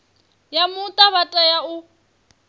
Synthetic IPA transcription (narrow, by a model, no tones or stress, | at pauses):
jamʊt̪ʼaβatʼajaʊ